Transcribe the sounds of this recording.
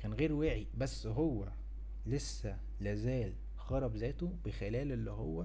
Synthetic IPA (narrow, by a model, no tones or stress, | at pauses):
kæːnɣeːɾwæːʕibæsːɦowːæ | lesːæ | læːzæːl | xɑɾˤɑbzæːt̪obexelæːlʔelːihowːæ